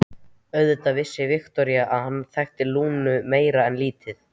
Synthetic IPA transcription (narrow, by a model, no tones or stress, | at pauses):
œɥðʏt̪avɪsːɪvɪxt̪ɔɾjaʔaðhanːθɛxt̪ɪluːnʏmeːjɾaɛnliːt̪ɪθ